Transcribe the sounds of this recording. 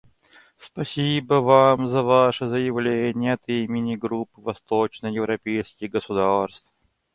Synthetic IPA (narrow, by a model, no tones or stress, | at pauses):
spɐsʲibəvamzɐvaʂɨzəjɪvlʲenʲɪjəɐt̪imʲɪnʲɪɡɾupːɨvɐst̪ot͡ɕnəjɪvɾʔɐpʲejskʲɪɣɡəsʊd̪arst̪f